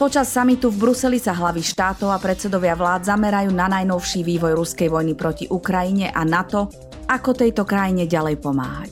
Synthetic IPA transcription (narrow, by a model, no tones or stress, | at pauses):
pɔt͡ʃasːamit̪uvbɾusɛlisaɦlaʋiʃt̪aːt̪ɔʊapɾɛsɛd̪ɔʋɪaʋlaːd̪zamɛɾajuːnanajnɔʊʃiʋiːʋɔjɾuskɛjʋɔjnipɾɔciʔukɾajiɲɛʔanat̪ɔ | akɔt̪ɛjt̪ɔkɾajiɲɛɟalɛjpɔma̰ːɦa̰c